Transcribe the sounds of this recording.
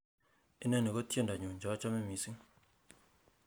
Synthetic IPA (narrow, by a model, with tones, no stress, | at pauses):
ɪ˦nɛ˦˨ni˨ɡɔ˦tje˦˨nda˨ɲʊ˨ɲd͡ʒɔ˨˦t͡ʃɔ˦mɛ˦mi˨si˦ŋ